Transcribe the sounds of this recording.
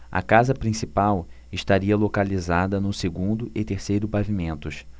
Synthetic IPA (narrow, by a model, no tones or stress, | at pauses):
ɐ̰kazɐpɾĩsipaw | ɪʃt̪aɾiɐlokalizad̪ɐnʊseɡũnd̪ʊʔɪt̪eɾsejɾʊpavimẽnt̪ʊʃ